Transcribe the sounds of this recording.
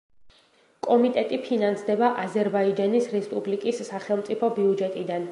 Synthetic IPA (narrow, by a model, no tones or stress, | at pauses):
kʼɔmit̪ʼɛt̪ʼipʰinansd̪ɛbaʔazɛɾbaid͡ʒanisɾɛspʼublikʼisːaχɛlˠmt̪sʼipʰɔbiud͡ʒɛt̪ʼid̪an